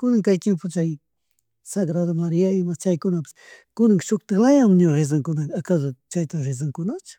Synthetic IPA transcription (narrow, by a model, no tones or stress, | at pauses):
kʊnaŋkajt̪jempot͡ʃaj | saɡɾad̪omaɾiaɪmat͡ʃajkʊnapɪ̥s | kʊnaŋʃʊkt̪alajamɲoɾes̬aŋkʊnaakad̪ot͡ʃajt̪aɾɪz̬aŋkʊnat͡ʃʊ̥